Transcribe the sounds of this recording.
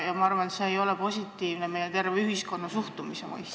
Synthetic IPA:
jɑmɑɑrvɑnet̪se̞ːjo̞lepo̞sʲit̪ːˑiːvneme̞jet̪e̞rveyɦisko̞nːɑsuht̪umisemɑ̰js

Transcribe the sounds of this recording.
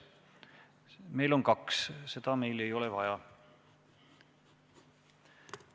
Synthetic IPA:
me̞jlo̞nkɑksse̞d̪̥ɑme̞jle̞jo̞levɑjɑ

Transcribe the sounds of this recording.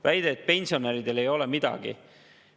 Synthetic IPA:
væjd̪e̞t̪̚pe̞nʲsio̞neɾid̪̥e̞le̞jo̞lɛmid̪̥ɑ̰ɡ̥ḭ

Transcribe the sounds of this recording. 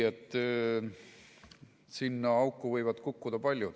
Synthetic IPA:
et̪ˑː | sinːɑɑwkːˑuvɤjvɑd̪̥kukːud̪̥ɑpɑlʲjud̪̥

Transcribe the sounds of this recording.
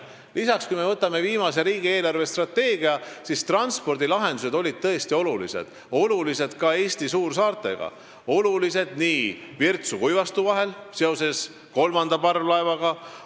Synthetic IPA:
lisɑkskujme̞vɤt̪ːˑɑme̞viːmɑseɾiːɡ̥ie̞ːlɑrve̞st̪rɑt̪ːe̞ːɡ̥iɑsist̪rɑnspo̞rd̪ilɑɦe̞nd̪̥use̞d̪o̞lʲid̪̥̚t̪ɤest̪io̞lulḭse̞̰d̪̥ | o̞lulise̞d̪̥kɑe̞ːst̪isuːrs̬ɑːrt̪ːˑe̞̰ɡ̥ɑ̰ | o̞lulise̞d̪̥niːvirt̪sukujvɑst̪uvɑɦe̞lse̞o̞se̞s | ko̞lmɑnd̪̥ɑpɑrvlɑevɑɡ̥ɑ

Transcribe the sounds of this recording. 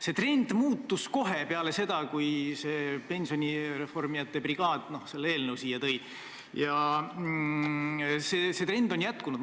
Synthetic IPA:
se̞t̪re̞nd̪̥muːt̪ːusko̞ɦe̞peɑle̞se̞d̪̥ɑkujse̞pe̞nʲsio̞nʲire̞fo̞rmijɑt̪ːˑe̞briɡ̥ɑːd̪̥no̞hse̞lːeeːlnewsiːjɑt̪ɤ̞j | jɑ | sese̞t̪re̞nd̪̥o̞njæt̪ˑkunud̪

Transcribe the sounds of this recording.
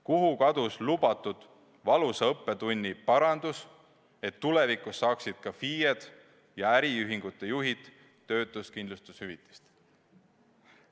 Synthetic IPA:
kuɦukɑd̪̥uslubɑt̪ːud̪̥ | vɑluseɤpːe̞t̪unʲːipɑɾɑnd̪̥us | e̞t̪ːulevikˑusːɑːksid̪̥̚kɑfiːjed̪̥ | jɑæɾiyɦiŋɡ̥ut̪ːˑe̞juɦid̪ː | ø̞ːt̪ːˑust̪kind̪lust̪ushyvit̪ːˑi̥st̪

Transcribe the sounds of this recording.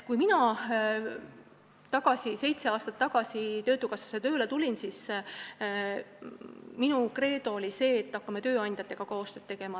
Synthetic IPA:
kujminɑ | t̪ɑɡ̥ɑsise̞jt̪se̞ɑːst̪ɑt̪ːɑɡ̥ɑsit̪øːt̪ːˑukɑsɑ̥set̪ø̞ːlet̪ulʲinsis | minukre̞ːd̪o̞olʲise̞ːt̪ːɑkːɑmet̪øːɑnʲd̪̥ʲjɑt̪ːˑe̞ɡ̥ɑko̞ːst̪ø̞ːt̪ːe̞ɡ̥e̞mɑ

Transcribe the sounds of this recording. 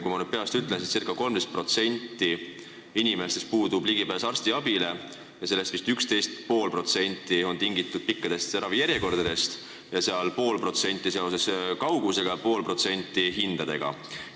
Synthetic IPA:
kujmɑnyd̪̥̚pe̞ɑst̪yt̪ˑlensist̪sirkːˑɑko̞lmd̪̥e̞st̪̚pro̞t̪se̞nʲt̪ːˑi | inimest̪est̪̚puːd̪ubliɡipæːsɑrst̪iɑbile̞ | jɑse̞lːe̞st̪vist̪ykst̪e̞jst̪̚po̞ːlpro̞t̪se̞nʲt̪ːˑio̞nt̪iŋɡit̪ːˑud̪̥̚pikːɑd̪̥e̞st̪seɾɑvijæɾje̞ko̞rd̪̥ɑd̪e̞st̪ | jɑse̞ɑlpo̞ːlpro̞t̪se̞nʲt̪ːˑiseose̞skɑwɡuse̞ɡ̥ɑpo̞ːlpro̞t̪se̞nʲt̪ːˑiɦind̪̥ɑd̪e̞̰ɡ̥ɑ̰

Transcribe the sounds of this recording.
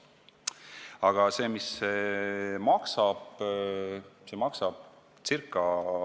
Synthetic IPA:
ɑɡ̥ɑse̞ːmisːemɑksɑb̥ | semɑksɑb̥̪̚ | t͡sirkːˑɑ

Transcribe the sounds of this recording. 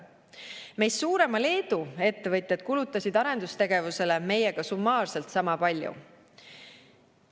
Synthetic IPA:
me̞jssuːɾe̞mɑle̞ːd̪ue̞t̪ːe̞vɤt̪ʲjɑd̪̥̚kulut̪ːˑɑsʲid̪ɑɾe̞nd̪̥ust̪e̞ɡ̥e̞vuse̞le̞me̞je̞ɡ̥ɑsumːɑːrse̞lt̪sɑmɑpɑlʲjṵ

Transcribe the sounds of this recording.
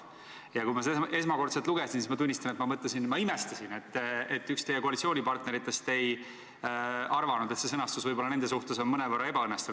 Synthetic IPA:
jɑkujmɑsee̞smɑko̞rt̪set̪luɡesinsismɑt̪unʲːist̪ɑnet̪mɑmɤt̪lesinmɑimest̪ɑsine̞t̪ːet̪ːykst̪ejekoɑlit̪sio̞ːnʲipɑrt̪ne̞ɾit̪ːˑe̞st̪e̞j | ɑrvɑnud̪e̞t̪se̞sɤnɑst̪usvɤjbo̞lːɑne̞nd̪e̞suht̪e̞so̞nmɤnevɤrːɑe̞bɑɤnːest̪ɑt̪u̥

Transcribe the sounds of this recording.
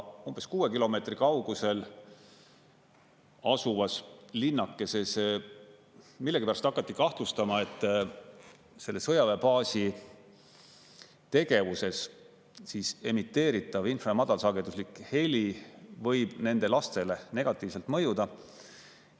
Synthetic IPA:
umb̥e̞skuːwe̞kilo̞me̞ːt̪rikɑuɡ̥use̞l | ɑsuvɑslinːɑkːe̞se̞se | milːeɡipæɾɑst̪ɑkːˑɑt̪ːikɑht̪lust̪ɑmɑe̞t̪ˑː | se̞lːesɤjɑvepɑːsi | t̪e̞ɡ̥e̞vuse̞s | siːse̞mit̪ːe̞ːɾit̪ːˑɑvinfrɑmɑd̪̥ɑlsɑːɡed̪uslikˑhe̞lʲivɤjb̥ne̞nd̪̥e̞lɑst̪e̞le̞ne̞ɡ̥ɑt̪ˑːiːvselt̪mɤ̞jud̪̥ɑ

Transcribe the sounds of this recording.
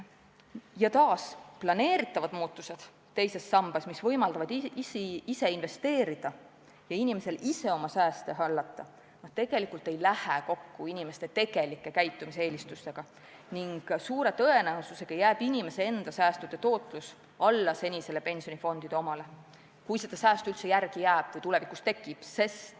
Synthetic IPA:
jɑt̪ɑːsplɑne̞ːɾit̪ːˑɑvɑd̪muːt̪ːˑuse̞d̪̥ | t̪ːe̞jse̞sːɑmb̥ɑsmisvɤ̞jmɑld̪̥ɑvɑd̪iise̞inve̞st̪e̞ːɾid̪̥ɑ | jɑinʲime̞se̞lʔise̞o̞mɑsæːst̪e̞ɦɑlːɑt̪ːˑɑ | nɑt̪e̞ɡ̥e̞likult̪e̞jlæheko̞kːuinime̞st̪e̞t̪e̞ɡ̥e̞likːˑe̞kæjt̪ːˑumisee̞ːlist̪ust̪e̞ɡ̥ɑ | niŋɡ̥suːɾe̞t̪ɤe̞næususe̞ɡ̥ɑjæːb̥inʲime̞seend̪̥ɑsæːst̪ud̪̥e̞t̪o̞ːt̪ˑlus | ɑlːɑse̞nʲise̞lepe̞nʲsio̞nifo̞nd̪̥id̥̪eomɑle̞ | kujse̞d̪̥ɑsæːst̪uylt̪se̞jærɡ̥ijæːb̥vɤjt̪ule̞vikːˑust̪e̞kːˑib̥se̞st̪

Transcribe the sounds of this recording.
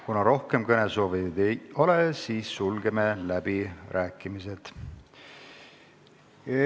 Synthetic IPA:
kunɑɾo̞hke̞mkɤne̞so̞ːvitd̪ejo̞lesiːsːulɡe̞melæb̥irʔæːkˑːimise̞t̪

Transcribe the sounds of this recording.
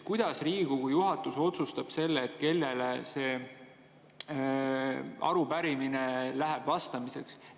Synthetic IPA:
kujd̪̥ɑsriːɡ̥ukujuɦɑt̪ːˑuso̞t̪sust̪ɑb̥se̞lːeːt̪ːke̞lːe̞lese̞ː | ɑ̰ɾupæɾiminelæɦeb̥vɑst̪ɑmise̞ks

